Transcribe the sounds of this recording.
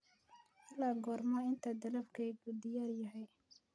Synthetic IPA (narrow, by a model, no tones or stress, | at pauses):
ʔɐlaːɡɔːrmɐɪnt̪ʰɐd̪ɐlɐfkʰɛɡʊd̪ɪjaːrjɐɦɛj